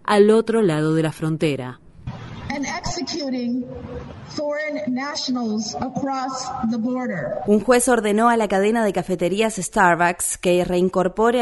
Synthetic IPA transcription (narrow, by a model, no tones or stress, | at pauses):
alo̞t̪ɾolað̞oð̞elafɾont̪eɾa̰ | ɨ̃nɛksɨkʰjuɾɪ̃ŋ | fɔɹɨ̃nːæʃnl̩ˠzəkʰɹ̥ɔsðəbɔɹɾə˞uŋxwe̞so̞ɾðe̞no̞alakaðe̞naðe̞kafe̞t̪e̞ɾiasest̪aɾβakskere̞iŋko̞ɾpo̞ɾe